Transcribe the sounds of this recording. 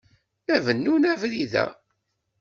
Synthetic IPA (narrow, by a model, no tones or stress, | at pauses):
nævənːunævliðæ̰